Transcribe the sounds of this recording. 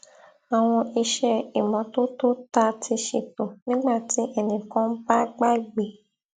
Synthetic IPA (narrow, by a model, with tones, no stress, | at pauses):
a˨w̃ɔ̃˧ʔi˧ʃɛ˦i˨mɔ̃˨˧to˦to˦ta˧tʰi˧ʃe˨to˨nĩ˦ɡ͡ba˦˨ti˨˦ʔɛ˧nĩ˨kɔ̃˨˦n̩˦ba˦ɡ͡ba˦i˨ɡ͡be˨